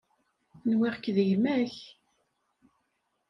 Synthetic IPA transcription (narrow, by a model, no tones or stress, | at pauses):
nwiʁkːðəʝmæç